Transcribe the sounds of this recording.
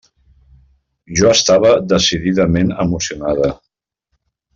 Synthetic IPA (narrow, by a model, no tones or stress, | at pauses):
ʒɔəst̪aβ̞əðəsiðiðəmenəmusiunaðə